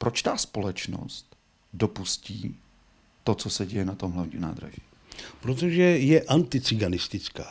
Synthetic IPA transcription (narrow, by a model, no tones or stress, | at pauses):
pɾot͡ʃt̪aːspo̞lɛt͡ʃno̰st̪ | dopusciː | t̪ot͡sosɛɟɛjɛnat̪omɦlɛimna̰ːd̪ɾa̰ʒiː | pɾot̪̬oʒɛjɛʔant̪ɪt͡sɪɡanɪst̪ɪt͡skaː